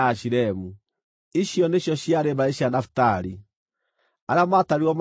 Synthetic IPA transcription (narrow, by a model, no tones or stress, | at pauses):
aʃiɾɛmu | iʃjɔneɕjɔʃjaɾeβaeɕianafu̥taɾi | aɾamataɾiɔm